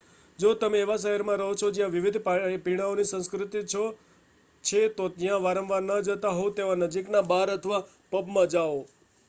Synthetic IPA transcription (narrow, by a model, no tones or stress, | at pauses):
d͡ʒot̪əmeːʋaʃəɦəɾmãɾəɦot͡ʃʰod͡ʒjãʋɪʋɪd̪ʱppiɽ̃aonisə̃nskɾɪt̪it͡ʃʰo | t͡ʃʰet̪ot̪jãʋaɾəmʋaɾnəd͡ʒət̪aɦot̪eʋanəd͡ʒiknabaɾət̪ʰəʋa | pəbmãd͡ʒao